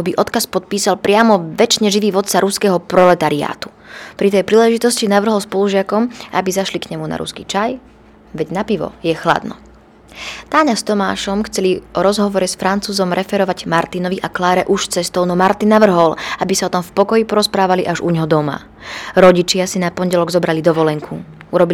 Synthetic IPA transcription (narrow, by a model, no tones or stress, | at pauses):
ɔbiʔɔt̪kaspɔt̪̚piːsalpɾɪamɔʋɛt͡ʃɲɛʒiʋiːʋɔt̪saɾuskɛːɦɔpɾɔlɛt̪aɾia̰ːt̪u̥ | pɾit̪̬ɛjpɾiːlɛʒit̪ɔscinaʋr̩ɦɔlspɔluʒɪakɔma̰bizaʃlikɲɛmuna̰ɾṵskit͡ʃaj | ʋɛɟnapiʋɔ̰jɛxla̰d̪nɔ̰ | t̪aːɲast̪ɔma̰ːʃɔmxt͡sɛliʔɔɾɔzɦɔʋɔɾɛsfɾant͡suːzɔmɾʔɛfɛɾɔʋaɟmaɾt̪inɔʋiʔaklaːɾɛʔuʃt͡sɛst̪ɔʊnɔmaɾt̪inːaʋr̩ɦɔlabisaɔt̪ɔmfpɔkɔjipɔɾɔspɾaːʋaliʔaʒuɲɦɔd̪ɔma̰ | ɾɔɟit͡ʃɪasinapɔnɟɛlɔɡzɔbɾalid̪ɔʋɔlɛŋkʰu | uɾɔbi